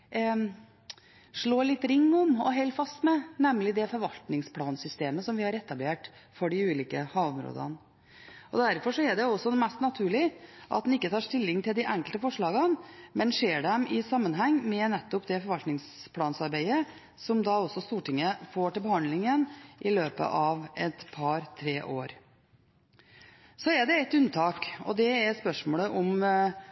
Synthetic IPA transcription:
ʂɭoːlɪt̪ːɾɪŋːɔmɔ̰ɦɛɪlfɑst̪mɛnɛmːlɪd̪ɛfɔɾʋɑlt̪nɪŋspʰlɑːnsʏst̪eːməsɔmʋɪhɑɾɛt̪ːɑbleːʈfɔɖɪʉːliːkəhɑːʋʊmɾo̰ːd̪ɑ̰n | ɔd̪æɾfɔʂɔæɖɛɔsːɔnmæst̪nɑt̪ʰʉːɭɪʔɑ̰t̪d̪ɛnɪkːət̪ʰɑːʂt̪ɪlːɪŋt̪ʰɪld̪ɪʔæŋkəlt̪əfɔʂɭɑːɡənmɛnʂeːɖɛmɪsɑmːənɦɛŋːmɛnɛt̪ːʊpd̪ɛfɔɾʋɑlt̪nɪŋspʰlɑːnsɑɾbæɪə | sɔmd̪ɑɔsːɔst̪uːʈɪŋːəfoːʈɪlbəhɑnd̪lɪŋənʔɪløːpə̰ʔɑʋɛt̪pʰɑɾt̪ʰɾeːʔoːɾ | sɔɛɖɛɛt̪ʉnt̪ʰɑːkɔ̰d̪ɛɛɾspœʂmoːɭəʔɔm

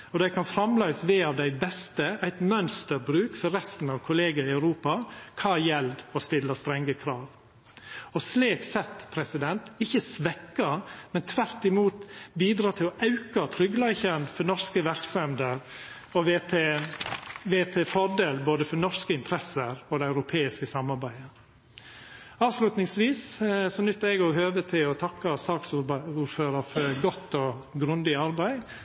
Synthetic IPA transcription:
ɔd̪æɪkʰɑnfɾɑmlæɪəsʋɛːɑʋd̪æɪbɛst̪əæɪt̪mœnst̪əɾbɾʉːkfɔɾɾɛst̪n̩ɑʋkʰʊleːɡɑɪɑʉɾuːpɑkʰɑːjɛld̪ɔst̪ɪlːəst̪ɾɛŋɡəkʰɾɑːʋ | ɔsliːksɛt̪ːpʰɾɛsɪd̪ɛnt̪ɪçːəsʋɛkːɑmɛnt̪ʰʋæɾt̪ɪmuːt̪biːd̪ɾɑːt̪ʰɪlɔʔɑʉkɑt̪ʰɾʏɡlæɪçənfɔnɔʂkəʋæɾksɛnd̪əɾ | ɔʋeːt̪ʰe | ʋeːt̪ʰeːfɔɖeːlboːd̪əfɔnɔʂkəɪnt̪ʰɾɛsəɾɔd̪ɛɑʉɾʊpʰeːɪskəsɑmːɑɾbæɪd̪ə | ɑːʋslʉt̪nɪŋsʋiːssɔnʏt̪ːəɾɛɡɔɦøːʋət̪ʰɪlɔt̪ʰɑkːɑsɑːksuuːɾføːɾɑɾfɔɾɡɔt̪ːɔɡɾʉnd̪ɪɑɾbæɪ

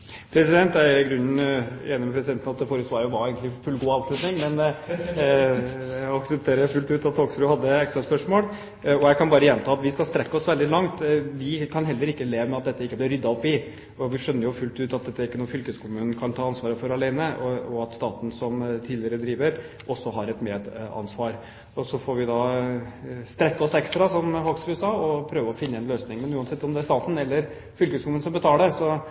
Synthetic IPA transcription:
pʰɾɛsɪd̪ɛnt̪æɡɾʉnːn̩eːnɪmɛpʰɾɛsɪd̪ɛnt̪nɑt̪̚d̪ɛfoːɾəsʋɑːɾəʋɑɾeɪɡət̪ɪfʉlɡuːɑːʋslʉt̪nɪŋmɛn | ɑksəp̚t̪ʰeːɾəjæfʉlt̪ʉːt̪ɑt̪ʰːoːksfɾʉːhɑd̪ːəɛkst̪ɾɑspœʂmoːl | ɔjæɪkʰɑnbɑːɾəjɛnt̪ʰɑːɑt̪ʋɪskɑlst̪ɾɛkːəɔsʋɛld̪ɪlɑŋt̪ʋɪkʰɑnɦɛlːəɾɪkːəleːʋəmɛɑt̪̚d̪ɛt̪ːəɪkːəblɪɾːʏd̪ɑɔpːɪ | ɔʋɪʂœnːəɾjʊfʉlt̪ʉːt̪ɑt̪̚d̪ɛt̪ːæɾɪkːənuːfʏlkəskʰʊmʉːnn̩kʰɑnt̪ʰɑːɑnsʋɑːɾəfɔɾɑleɪnəɔɔɑt̪st̪ɑːt̪n̩sɔmt̪ʰiːlɪəɾəd̪ɾiːʋəɾ | ʔɔsːɔɦɑɾɛt̪meːd̪ɑ̰nsʋɑːɾ | ɔsɔfɔɾʋɪd̪ɑ | st̪ɾɛkːəɔsɛkst̪ɾɑsɔmhɑksɾʉːsɑɔpʰɾøːʋəɔfɪnːəɛnløːsnɪŋmɛnʉːɑnsɛt̪ːɔmd̪ɛæst̪ɑːt̪n̩ɛlːəɾ | fʏlkəskʰʊmʉːn̩sɔmbət̪ʰɑːəɖɛsɔ

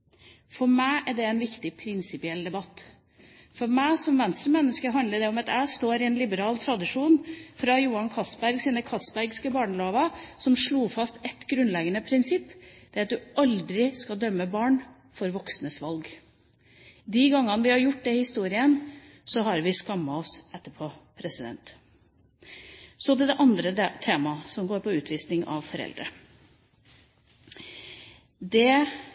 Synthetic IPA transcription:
fɔɾmæɪʔɛɖɛænʋɪkt̪ɪpʰɾɪnsɪpɪɛld̪ɛbɑt̪ː | fɔɾmæɪsɔmʋɛnst̪ɾəmɛnːəskəɦɑnd̪əɖ̪ɛɔmɑt̪æːst̪oːɾɪɛnlɪbəɾɑːlt̪ʰɾɑd̪ɪʂuːnfɾɑjuːɑnkʰɑsbæɾɡsiːnəkʰɑsbæɾɡskəbɑːɳəloːʋɑsɔmʂɭuːfɑst̪ɛt̪ɡɾʉnlɛɡənəpʰɾɪnsɪpːd̪̥ɛɾɑt̪̚d̪ʉʔɑld̪ɾɪskɑd̪œmːəbɑːɳ | fɔɾʋɔksnəsʋɑlɡ | d̪iɡɑŋːɑnʋɪhɑɾjʊʈːd̪ɛhɪst̪uːɾɪən | sɔɦɑɾʋɪskɑmːɑɔsɛt̪ːəpʰoːpʰɾɛsɪd̪ɛ̰nt̪ | sɔd̪ɛd̪ɛʔɑnd̪ɾət̪ʰeːmɑsɔmɡoːɾpʰɔʉːt̪ʰʋiːsnɪŋɑ̰ʋfɔɾɛ̰ld̪ɾə | d̪ɛ

